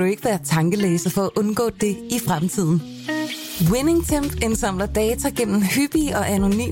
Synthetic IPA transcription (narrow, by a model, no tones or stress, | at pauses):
ɾ̥ue̝ɡ̥əʋæːɐt͡sʰɑ̈ŋɡ̥əleːsɐfɒ̽æʔɔ̽nɡ̥ɔ̰̽ːd̥e̝ifʁamt͡sʰið̞̰ˠn̩ | weneŋt͡sʰemb̥ensɑ̈m̰lɐd̥ɛːt͡sʰæɡ̥en̰m̩hyb̥iɒ̽ʔæno̝ny̰ː